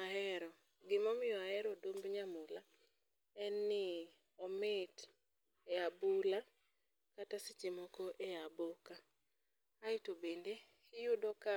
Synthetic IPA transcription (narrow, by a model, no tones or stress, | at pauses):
aɦɛɾɔ | ɡɪmɔmɪɔaɛɾɔdombɲamula | ɛnːɪ | ɔmɪt | eabula | katasɪt͡ʃimɔkɔʔeabokaː | ɪtobende | kɪjʊdɔka